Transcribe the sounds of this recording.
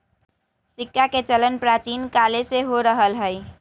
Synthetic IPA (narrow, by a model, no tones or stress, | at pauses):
sikːaket͡ʃələnpɾat͡ʃinkaleseɦoɾəɦəlɦəj